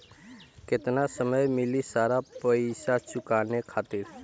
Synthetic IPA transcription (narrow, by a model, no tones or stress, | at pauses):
kɪt̪nasəməjmɪlisaːɾapəiʃat͡ʃʊkaːnekʰaːt̪ɪɾ